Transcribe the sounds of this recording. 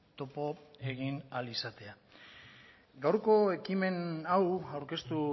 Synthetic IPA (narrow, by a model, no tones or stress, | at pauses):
t̪o̞po̞e̞ɣinalisat̪e̞a | ɡawɾko̞e̞kime̞nawawɾke̞st̪u